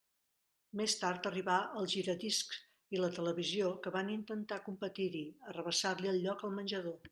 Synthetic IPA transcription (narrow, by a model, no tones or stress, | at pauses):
mest̪aɾt̪əriβaəlˠʒiɾədisk | ilət̪ələβiziokəβanint̪ənt̪akumpət̪iɾiərəβ̞əsarliəlˠʎːɔkəlˠmənʲʒəðo